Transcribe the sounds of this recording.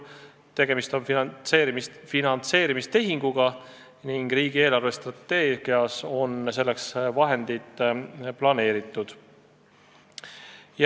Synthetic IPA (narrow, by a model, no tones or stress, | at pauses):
t̪e̞ɡ̥e̞mist̪o̞neːɾimisfinɑnt̪se̞ːɾimist̪e̞ɦiŋɡ̥uɡ̥ɑ | niŋɡ̥riːɡ̥ie̞ːlɑrve̞st̪rɑt̪ːe̞ːɡ̥iɑso̞ns̬e̞lːeksvɑɦe̞nd̪̥it̪plɑne̞ːɾit̪ːˑud̪̥ | j